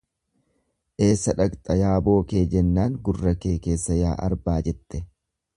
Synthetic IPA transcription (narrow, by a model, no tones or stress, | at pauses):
ʔe̞ːsːɐᶑɐkt̪ʼɐjaːbo̞ːke̞ːd͡ʒɛnːaːŋɡʊrːɐke̞ːke̞ːsːɐjaːʔɐ̰ɾbaːd͡ʒɛt̪ʼːɛ